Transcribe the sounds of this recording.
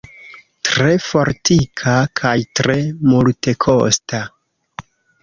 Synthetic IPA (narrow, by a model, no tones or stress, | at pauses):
tɾe̞fo̞ɾtikʰakʰajtɾe̞multe̞kʰo̞sta